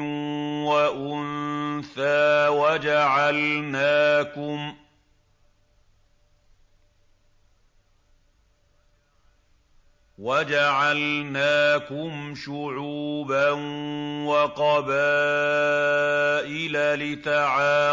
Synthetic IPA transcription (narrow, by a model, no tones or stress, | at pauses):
waʔʊnθaːwad͡ʒaʕalnaːkʊm | wad͡ʒaʕalnaːkʊmʃʊʕuːbanwɑqɑbaː | ʔɪlalɪt̪aʕaː